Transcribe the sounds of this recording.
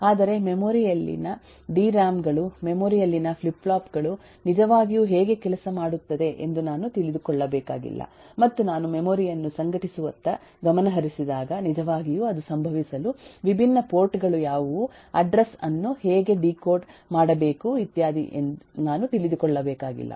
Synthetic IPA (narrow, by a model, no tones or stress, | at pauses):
aːd̪ɐɾe̞memoːɾijɐlːḭnɐ | ɖiːɾaːmɡɐɭumemoːɾijɐlːinɐpʰlipːlaːpɡɐɭu | nid͡ʒɐʋaːɡijuɦeːɡe̞kɛlɐsɐmaːɽut̪ːɐd̪e̞ʔḛnd̪unaːnut̪ilid̪ukɔɭːɐbɛːkaːɡḭlːɐ̰ | mɐt̪ːunaːnumemoːɾijɐnːusɐŋɡɐʈisuʋɐnt̪ɐ | ɡɐmɐnɐɦɐɾisid̪aːɡɐnid͡ʒɐʋaːɡijuɐd̪usɐmbʱɐʋisɐluʋibʱinːɐpo̞ːɾʈɡɐɭujaːʋu | ɐɖɾɐsɐnːuheːɡe̞ɖiːkoːʈmaːɽɐbeːkuit̪jaːd̪ḭʔḛnnaːnut̪ilid̪ukɔɭːɐbɛːkaːɡḭlːʔɐ̰